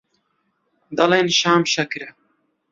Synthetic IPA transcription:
d̪ɐleːnʃaːmʃɛkɾɛ

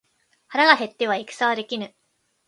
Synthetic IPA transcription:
haɾaɡaɦe̞t̪ːe̞β̞aikɯ̟̥saβad̪e̞kʲinɯ̟

